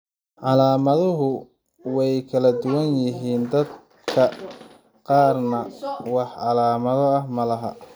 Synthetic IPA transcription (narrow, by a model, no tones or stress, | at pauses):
ʕɑlaːmɐðʊɦʊ | wɛjkʰɐlɐd̪ʊwɐnjɪɦiːnd̪ɐd̪ | kʰɐ | qɑːrnɐwɑħʕɑlaːmɐðɔɐhmɐlɐɦɐ̰